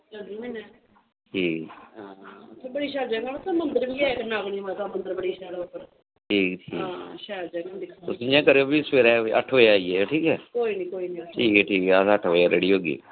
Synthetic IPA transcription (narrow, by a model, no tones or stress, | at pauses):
ainɛː | ʈʰiːkː | t̪ʰːbəɽiːʃɛːɾd͡ʒə̃ːɡanət̪ãːmənd̪əɾʋiːɛːknaːkɽĩːoaːt̪amənd̪əɾbəɽiːʃɛːɽopəɾ | ʈʰiːkʈʰiːkʃɛːɾd͡ʒɛɡad̪ɪkʰːt̪ʊsĩjãːkəɾeoːbiːspeːɾɛːiʔə̰ʈʰɦoːeaːiːeːʈʰiːkɛːkoːiːniːkoːiːniːʈʰiːkɛːʈʰiːkɛːəsəʈʰoːaːɾeːɽiːɦoːɡḭː